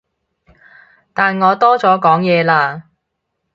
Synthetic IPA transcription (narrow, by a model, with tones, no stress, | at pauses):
t̪aː˨nŋɔː˨˧t̪ɔː˥t͡sɔː˨˥kɔː˨˥ŋjɛː˨˧laː˧